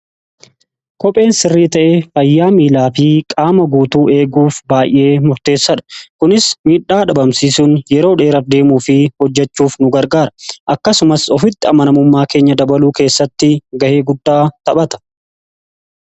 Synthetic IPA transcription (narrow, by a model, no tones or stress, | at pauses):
kɔpʼe̞ːnsɪrːiːt̪ɐʔeːfɐjːaːmiːlaːfɪkʼaːmɐɡuːt̪uːʔe̞ːɡuːfbaːjʔe̞ːmʊɾt̪e̞ːsːɐᶑɐ̥kʊnɪsmiːᶑːaːᶑɐbɐmsiːsʊnjɛɾo̞ːᶑe̞ːɾɐfd̪e̞ːmuːfɪhɔd͡ʒːɛt͡ʃːuːfnʊɡɐɾɡaːɾɐʔɐkːɐsʊmɐsɔfɪt̪ːɪɐmɐnɐmʊmːaːke̞ːɲːɐd̪ɐbɐluːke̞ːsːɐt̪ːɪɡɐhe̞ːɡʊd̪ːaːt̪ɐɓɐt̪ɐ̥